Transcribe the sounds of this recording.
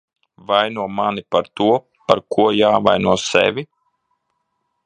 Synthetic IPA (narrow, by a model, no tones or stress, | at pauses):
vajnuɔmanipaɾt̪uɔ | paɾkʰuɔjaːva̰jnuɔsɛ̰vʲi